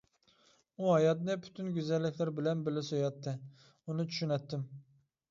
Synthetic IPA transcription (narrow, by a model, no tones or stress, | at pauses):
uɦɑjɑt̪nɨpʰy̥t̪ʰynɡʲyzɛlːɪkʲlæɾbɪlɛnbɪlɪsojɑt̪ʰːɨ | unɨt͡ʃʰy̥ʃynɛt̪ːɪm